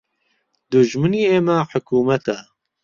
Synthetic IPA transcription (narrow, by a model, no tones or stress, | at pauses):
d̪ʊʒmɨniːeːmɛħʊkʰuːmɛt̪ʰaː